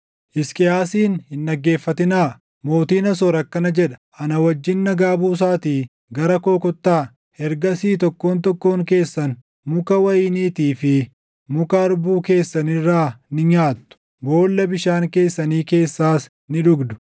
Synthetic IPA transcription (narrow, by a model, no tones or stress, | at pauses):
ʔɪskʼɪaːsiːnhɪnɗɐɡːe̞ːfːɐt̪ɪnaː | mo̞ːt̪iːnɐs̬ɔɾɐkːɐnɐd͡ʒɛᶑɐ̥ʔɐnɐwɐd͡ʒːɪnːɐɡaːbuːs̬aːt̪iː | ɡɐɾɐko̞ːkɔt̪ːaː | hɛɾɡɐsiːt̪ɔkːo̞ːnt̪̬ɔkːo̞ːŋke̞ːsːɐn | mʊkɐwɐjɪːniːt̪iːfɪ | mʊkɐɐɾbuːke̞ːsːɐnɪrːaːnɪɲaːt̪ːʊ̥ | bo̞ːlːɐbɪʃaːŋke̞ːsːɐniːke̞ːsːaːs | nɪᶑʊɡd̪ʊ̥